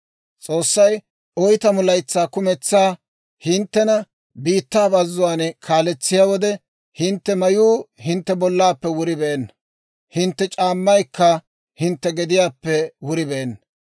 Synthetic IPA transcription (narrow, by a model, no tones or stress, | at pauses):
t͡sʼo̞ːsːɐj | ɔjt̪ɐmʊlɐjt͡sːaːkʊmɛt͡sːaː | hɪnt̪ːɛnɐ | biːt̪ːaːbɐzːʊwaːnɛkʰaːlɛt͡sːɪjaːwɔd̪ɛ | hɪnt̪ːɛmɐjuːhɪnt̪ːɛbɔlːaːpːɛwʊɾɪbeːnːɐ | hɪnt̪ːɛt͡ʃʼaːmːɐjkːɐ | hɪnt̪ːɛɡɛd̪ɪjaːpːɛwʊɾɪbeːnː